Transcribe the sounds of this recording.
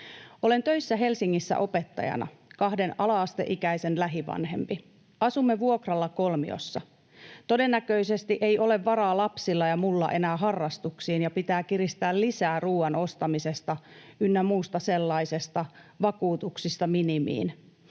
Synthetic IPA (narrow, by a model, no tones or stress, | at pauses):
o̞le̞nt̪øjsːæɦe̞lsiŋːisːæ̰ʔo̞pe̞t̪ːɑ̰jɑ̰nɑ̰ | kɑhde̞nɑlɑːst̪ḛʔikæjse̞nlæɦiʋɑ̰nɦe̞̰mpi | ɑsumːeʋuokrɑlːɑko̞lmḭo̰sːɑ | t̪o̞de̞nːækø̞ise̞st̪iʔe̞jʔo̞le̞ʋːɑɾɑːlɑpsilːɑjɑmulːɑ̰ʔe̞næːɦɑrːɑst̪uksiːnjɑpit̪æːkiɾist̪æːllisæːruːɑno̞st̪ɑmise̞st̪ɑynːæmuːst̪ɑse̞lːɑisest̪ɑʋɑkuːt̪uksist̪ɑminimḭːn